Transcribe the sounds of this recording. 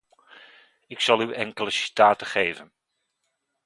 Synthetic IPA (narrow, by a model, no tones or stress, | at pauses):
ɪksɑlˠyɛŋkələsi̥taːtəχejvən